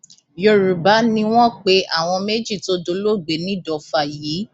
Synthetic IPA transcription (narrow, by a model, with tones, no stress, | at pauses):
jo˨ɾu˨ba˨˦nĩ˧w̃ɔ̃˦k͡pe˨˦ʔa̰˦˨w̃ɔ̃˧me˦d͡ʒi˦˨to˧˦do˨˧˦lo˦ɡ͡be˨nĩ˦˨dɔ˨fa˧˨ji˨˦